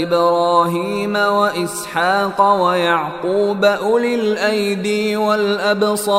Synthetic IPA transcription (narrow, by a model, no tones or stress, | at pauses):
ɪbɾˤɑːɦiːmawaʔɪsħaːqwajaʕquːbaʔʊlɪlʔajd̪iwalʔabsˤɑ